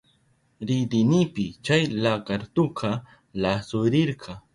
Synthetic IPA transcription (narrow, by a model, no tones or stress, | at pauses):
ɾɪd̪ɪnɪpɪt͡ʃajlakaɾt̪ʊqʰɑ | lasʊɾɪɾɢʰɑ